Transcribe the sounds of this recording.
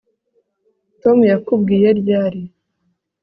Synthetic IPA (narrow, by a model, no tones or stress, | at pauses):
to̞mujakubɡiːje̞ɾjaːɾi